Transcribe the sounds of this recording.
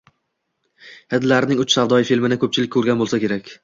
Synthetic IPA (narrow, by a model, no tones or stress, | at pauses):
hɪd̪laɾɪnɪŋʊt͡ʃsavd̪ɒjɪfilmɪnɪkʰɵp̚t͡ʃʰɪlɪkʲʰːɵɾɡʲanbolˠsakʲe̞ɾakʲ